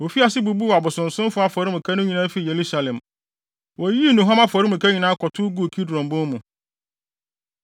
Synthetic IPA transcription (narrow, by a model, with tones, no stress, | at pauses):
wo˨fi˦a˨sɪ˦bu˨bu˦˨a˨bʊ˨sʊ̃˨n̩˨sʊ̃˦m˦fʊ˦a˦fɔ˨ɾɪ˦mʊ̃˨kʰa˦nʊ̃˦ɲĩ˨nã˦fi˨je˨ɾu˦sa˨lɛ̃˨m | wɔ˨ji˦˨nũ˨ɦã˦ma˦fɔ˨ɾi˦mũ˨kʰa˦ɲĩ˨nãː˦kʰɔ˨tʰʊ˦ɡu˦˨kʰi˦dɾɔ̃˨mbʊ̃˦n˦mũ˨